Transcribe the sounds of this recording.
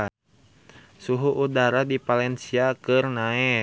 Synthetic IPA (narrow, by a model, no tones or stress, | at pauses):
suɦuʔːdaɾadipalɛnsiakɨrnaɛ